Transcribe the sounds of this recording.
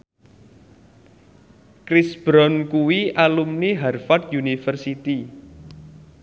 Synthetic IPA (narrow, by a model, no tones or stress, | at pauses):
kɾisb̥ɾɔnkuwiʔalumniɦarfɔt̪̚junifərsit̪i